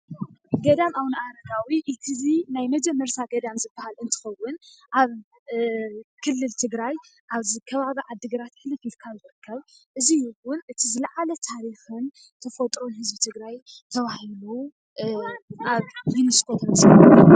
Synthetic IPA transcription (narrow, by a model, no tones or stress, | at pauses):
ɡɐd̪amawnɨʔaɾɐɡ̪awiʔit̪ʰɨzinajmɐd͡ʒɛmːɐɾt̪ʰaɡɐd̪amzɨbːahalɨnt̪ʰɨ̥xɐwːʊnʔaβ | kʰɨlːɨlt̪ʰɨɡɾaj | ʔaβzikʰɐβaβiʕad̪ːɨɡɐɾat̪hɨlɨfit̪kʰazzɨɾɨkʰːɐβʔɨzijɪwʊnʔɨt̪ʰizɨlaʕalɐt̪ʰaɾixɨn | t̪ʰɐfot̪ʼɾo̞nhɨzbit̪ʰɨɡɾaj | t̪ʰɐβahilu | ʔaβjuniskʰot̪ʰɐmsa